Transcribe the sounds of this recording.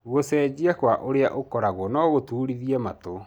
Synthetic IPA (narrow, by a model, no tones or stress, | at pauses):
ɣosɛːd͡ʑiakwaʔoɾea̰ʔokɔɾaɣwɔnɔɣotuːɾiðiɛmato